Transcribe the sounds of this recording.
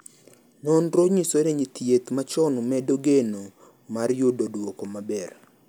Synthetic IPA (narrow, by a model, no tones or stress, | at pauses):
nɔnɾoɲisoɾeɲit̪jet̪mat͡ʃɔnumɛdoɡeno | maɾjododwokomabɛr